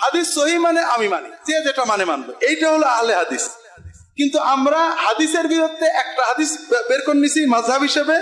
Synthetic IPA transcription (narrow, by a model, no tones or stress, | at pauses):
had̪isːoɦimaneʔamimanisead͡ʒeʈamanemanb̪oʔejʈaɦoloaɦaleɦad̪is | kint̪uamɾahad̪iseɾbiɾot̪ːeʔɛk̚ʈaɦad̪isbeɾkonːisʰimɐzɦabʱɦiʃebe